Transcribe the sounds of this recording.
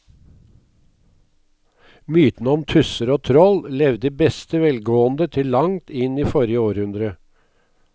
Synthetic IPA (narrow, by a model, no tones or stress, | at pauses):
myːt̪n̩əɔmt̪ʰʉsəɾoːt̪ʰɾɔllɛʋd̪əbɛst̪əʋɛlɡoːənd̪ət̪ʰɪllɑŋt̪ɪniːfɔɾjəoːɾhʉnd̪ɾə